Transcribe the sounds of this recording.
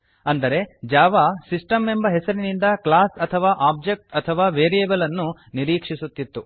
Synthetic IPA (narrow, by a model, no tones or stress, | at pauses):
ɐnd̪ɐɾe̞d͡ʒaːʋasisʈɐme̞mbɐɦɛsɐɾinind̪ɐklaːsɐt̪ʰɐʋaːʔaːb̚d͡ʒek̚ʈɐt̪ʰɐʋaːʋeːɾieːbɐlɐnːuniɾiːkʂisut̪ːit̪ːu